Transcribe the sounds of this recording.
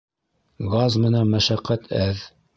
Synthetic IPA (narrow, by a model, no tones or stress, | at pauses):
ɡɑzmɘ̆nænmæʃæqːæt̪ʰæð